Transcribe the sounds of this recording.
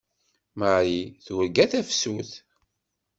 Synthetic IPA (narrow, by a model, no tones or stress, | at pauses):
məʕiθwəɾɡæθæfsuθ